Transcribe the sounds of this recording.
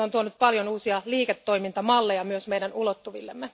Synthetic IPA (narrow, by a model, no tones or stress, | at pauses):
ont̪uonyt̪̚pɑljonuːsiɑliːket̪ːo̞jmint̪ɑmɑlːejɑmyøsmejdænulot̪ːuʋḭlːemːe